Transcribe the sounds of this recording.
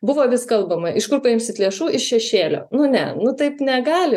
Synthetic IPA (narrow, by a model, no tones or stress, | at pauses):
bʊʋoːʋʲɪskɐlˠbɐmɐʔɪʃkʊrpɐɪmʲsʲɪt̪lʲeːʃuːɪʃʃʲɛʃʲeːlʲo̰ːnʊnʲɛnʊt̪ɐɪpnʲɛɡɑːlʲɪ